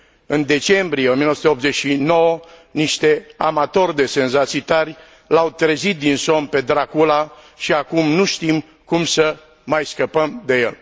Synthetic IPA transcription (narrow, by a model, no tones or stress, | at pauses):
ɨnd̪e̞t͡ʃe̞mbɾieomiənosut̪eopt̪zet͡ʃʃino̞wəniʃt̪e̞amat̪o̞rʲd̪e̞se̞nzat̪sit̪arʲ | lawt̪ɾezit̪̚d̪inso̞mpe̞d̪ɾakula | ʃiakumnuʃt̪im | kumsə | majskəpəmd̪e̞jḛl